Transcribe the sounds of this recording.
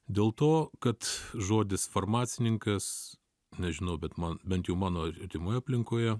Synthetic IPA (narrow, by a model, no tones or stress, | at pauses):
d̪ʲeːlˠt̪oːkɐt̪ʒoːd̪ʲɪsfɐrmɑːt̪sʲɪnʲɪŋkɐs | nʲɛʒʲɪnɐʊbʲɛt̪mɐnbʲɛnt̪jɛʊmɑːnoːɐt̪ʲɪmoːjɑːpʲlʲɪŋkoːjɛ